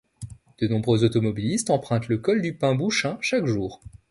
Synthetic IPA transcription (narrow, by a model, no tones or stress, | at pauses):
d̪̥ənɔ̃bʁøzot̪ɔmɔbilist̪ɑ̃pχɛ̃t̪ləkɔld̪ypɛ̃buʃɛ̃ʃakʒuːʁ